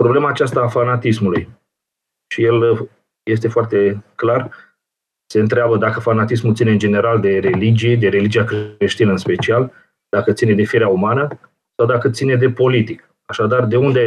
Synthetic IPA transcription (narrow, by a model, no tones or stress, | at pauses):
pɾo̞ble̞maːt͡ʃast̪aːfanat̪ismuluj | ʃije̞l | je̞s̬t̪e̞foart̪e̞klar | se̞ɨnt̪ɾeabəd̪akəfanat̪ismult̪sineɨnd͡ʒe̞ne̞ɾald̪e̞ɾe̞lid͡ʒijed̪e̞ɾe̞lid͡ʒiakɾe̞ʃt̪inəɨnspe̞t͡ʃial | d̪̥akət̪sine̞d̪e̞fieɾeaumanə | sawd̪akət̪sine̞d̪e̞po̞lit̪ik | aʃad̪ard̪e̞und̪e